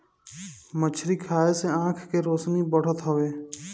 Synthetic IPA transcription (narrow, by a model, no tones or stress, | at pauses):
mət͡ʃʰɾikʰaːeseãːkʰkeɾoːsnibəɽ̤ət̪ɦəʋeː